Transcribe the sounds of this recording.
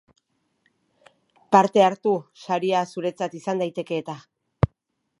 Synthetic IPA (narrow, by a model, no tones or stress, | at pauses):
paɾt̪e̞aɾt̪usaɾiasuɾe̞t͡sat̪isand̪ajt̪e̞ke̞ːt̪a